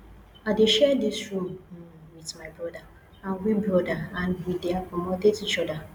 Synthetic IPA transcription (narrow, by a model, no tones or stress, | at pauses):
adeʃɛdisɹũm | wiθmaɪbɹɔda | ãnwibɹɔdaãnwideakɔmɔdedit͡ʃɔda